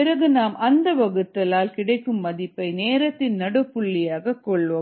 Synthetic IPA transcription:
ɪɾɐɣɯnaːmʔɐnd̪ɐʋɐɣɯt̪ːɐlaːlkɪɽɐɪkːɯmːɐðɪpːɐɪneːɾɐt̪ːɪnnɐɽɯpːʊɭːɪjaːɣɐkːɔɭʋɐ

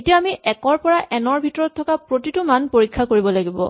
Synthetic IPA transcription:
etijaːmiʔɛkɔɹpɔɹaʔɛnɔɹbʱitɔɹɔtʰːɔkapɹotitʊmanpoɹikʰːakoɹibɔlaɡibɔ̰

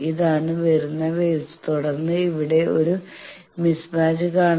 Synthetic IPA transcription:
iðaːɳɨʋɐɾunːɐʋet̪uɽɐrnːɨiʋiɽe̞o̞ɾu | mismaːd͡ʑɨkaːɳ

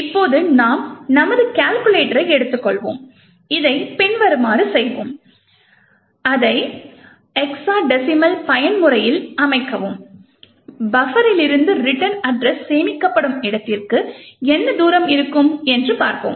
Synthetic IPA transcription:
ɪpːoːðɯnaːmnɐmɐðɯkaːlkɯleːʈɐɾɐɪɛɽɯt̪ːɯkːɔɭʋo̰ːm | ɪðɐɪpɛɳʋɐɾɯmaːɾɯsɛjʋoːm | ɐðɐɪ | ɛksaːɖɛsɪmɐlpɐjɐnmʊɾɐjɪlɐmɐɪkːɐʋɯm | bɐfɐɾɪlɪɾɯnd̪ɯɾɪʈːɐnɐɖrɛsseːmɪkːɐpːɐɽɯmɪɽɐt̪ːɪrkɯɛnːɐd̪uːɾɐmɪɾɯkːɯmɛndrɯpaːɾko̰ːm

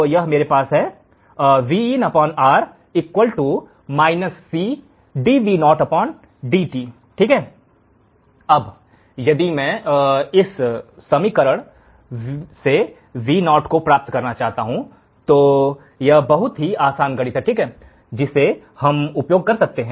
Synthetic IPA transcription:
jɐɦmeːɾepaːsɦɛ | ʋiːinɐpɔːnaːɾ | ɪkwəlʈu | maːɪnəsːi | ɖiːʋiːnɔːʈɐpɔːn | ɖiːʈiː | ʈʰiːkɦɛː | ɐb | jɐd̪imɛ̃ɪsːɐmikɐɾəɽ̃ | se | ʋiːnɔːʈkopɾaːp̚t̪kɐɾnat͡ʃaːɦt̪aɦũ | t̪oː | jɐɦbɐɦʊt̪ɦiaːsaːnɡɐɽit̪ʰɛʈʰiːkɦɛː | d͡ʒɪse | hɐmʊpjoːɡ̚kɐɾsɐk̚t̪eɦɛ̃

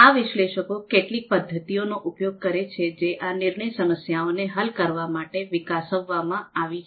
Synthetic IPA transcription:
aʋɪʃleʃəkokeʈlik̚pəd̪ʱːət̪ionoʔupjoɡ̚kəɾet͡ʃʰed͡ʒeʔanɪɾɳəjsəməsjaoneɦəlkəɾʋamaʈeʋɪkasəʋːamãaʋit͡ʃʰ

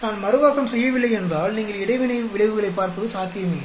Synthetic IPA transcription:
naːnmɐɾɯʋaːkɐmsɛjːɐʋɪlːɐɪɛndraːlniːŋɡɐɭɪɽɐɪʋɪnɐɪʋɪɭɐɪʋɯɣɐɭɐɪpːaːɾpɯðɯsaːt̪ːɪjɐmɪlːɐɪ

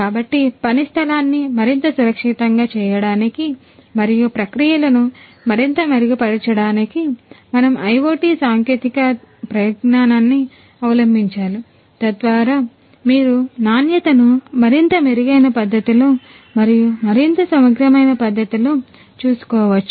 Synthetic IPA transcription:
kaːbɐʈːipɐnist̪ʰɐlaːnːimɐɾint̪ɐsuɾɐkʂit̪ɐŋɡaːt͡ʃɛːjɐɽaːniki | mɐɾijupɾɐkɾijɐlɐnu | mɐɾint̪ɐmɐɾiɡupɐɽit͡ʃɐɽaːnikimɐnɐmɐjʋoːʈiːsaːŋkeːt̪ikɐpɾɐjɐt̪naːnaːnːi | ɐʋɐlɐmbʱiɲt͡ʃaːlu | t̪ɐd̪ʋaːɾaː | miːɾunaːnjɐt̪ɐnumɐɾint̪ɐmeɾiɡɐjnɐpɐd̪ʱːɐt̪iloː | mɐɾijumɐɾint̪ɐsɐmɐɡɾɐmɐjnɐpɐd̪ʱːɐt̪iloː | t͡ʃuːsu̥kɔːʋɐt͡ʃːu̥

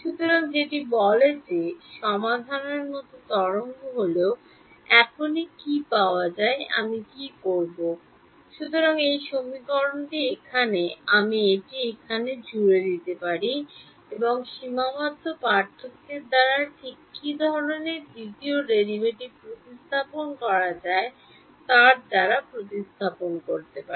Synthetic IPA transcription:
ʃut̪oɾaŋd͡ʑeʈibɔled͡ʑeʃɔmad̪ʱaneɾmɔt̪ot̪ɔɽoŋɡoɦoleo | ɛkʰonikipaoad͡ʑaea̰mikikoɾbo | ʃut̪oɾaŋejʃomikɔɾonʈiekʰaneamieʈiekʰaned͡ʑuɾed̪it̪epaɾi | eboŋʃimamat̪ːopaɾt̪ʰːok̪̚ːeɾd̪aɾaʈʰikːid̪ʱɔɾɾoneɾd̪it̪ioɾelibeʈiɾpɾot̪ist̪ʰaponkɔɾad͡ʑae | t̪aɾd̪aɾapɾot̪ist̪ʰaponkoɾt̪epai

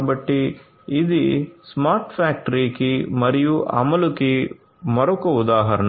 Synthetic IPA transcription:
bɐʈːiː | d̪ismaːɾʈpʰaːk̚ʈɐɾiːkimɐɾijuʔɐ̰mɐluki | mɐɾukɐud̪aːɦɐɾɐɳ

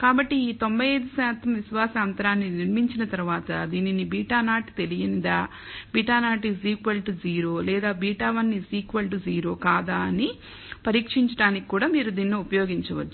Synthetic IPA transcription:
kaːbɐʈːiːt̪o̞mbɐjeːd̪usaːt̪ɐmʋiʃʋaːsɐːnt̪ɐɾaːnːiniɾmiɲt͡ʃinɐt̪ɐɾuʋaːt̪ɐd̪iːninibiːʈaːnaːʈi̥t̪e̞lijɐnd̪aː | biːʈaːnaːʈis̬iːkʋɐlʈid͡ʒiːɾo̞ːlɛːd̪aːbiːʈaːʋɐnːisiːkʋɐlʈid͡ʒiːɾo̞ːkaːd̪aːɐni | pɐɾiːkʂiɲt͡ʃɐɽaːniki̥kːuːɽaːmiːɾud̪iːnːoupɐjoːɡiɲt͡ʃɐʋɐt͡ʃːu

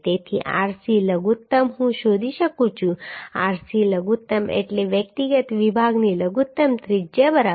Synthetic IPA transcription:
t̪et̪ʰḭʔa̰ɾsiləɡut̪ːəmɦũʃod̪ʱiʃəkũt͡ʃʰũa̰ɾsiləɡut̪ːəmḛʈleʋjək̚t̪iɡət̪ʋibʱaɡniləɡut̪ːəmt̪ɾid͡ʒəbəɾa

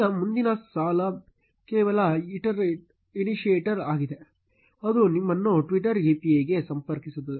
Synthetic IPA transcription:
ɐmund̪inɐsaːlɐ | kɛːʋɐlɐiʈɐɾ | iniʂieːʈɐɾaːɡid̪e | ɐd̪unimːɐnːuʈʋiʈɐɾeːpieːɡe̞sɐmpɐɾkisut̪̬ːɐe

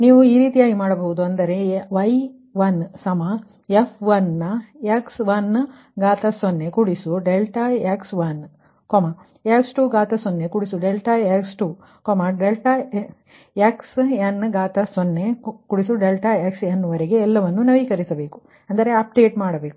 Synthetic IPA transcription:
niːʋuiːɾiːt̪ijaːɡimaːɽɐboɦud̪uɐnd̪ɐɾe̞ʋɐj | ʋɐnːsɐma | efʰʋɐnːɐeksʋɐnː | ɡaːt̪ɐsonːekuɽisuɖelʈaeksʋɐn | koːma | eksʈuːɡaːt̪ɐsonːekuɽisuɖelʈaeksʈuː | komɐɖelʈa | eksɐnːɡaːt̪ɐsonːekuɽisuɖelʈaeksjɐnːʋɐɾeɡeːlːɐʋɐnːunɐʋikɐɾisɐbe̞ːku̥ | ɐnd̪ɐɾe̞ɐp̚ɖe̞ːʈmaːɽɐbe̞ːku

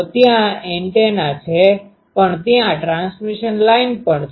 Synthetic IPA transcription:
t̪jãeɳʈenat͡ʃʰe | pəɳt̪jãʈɾansmiʃənlainpəɳt͡ʃʰ

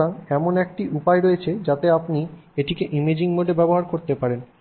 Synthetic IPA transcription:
aŋɛmonɛk̚ʈiʔupaeɾoet͡ɕʰed͡ʑat̪eapnieʈikeʔimed͡ʑiŋmod̪ʱebɛboɦaɾkoɾt̪epaɾen

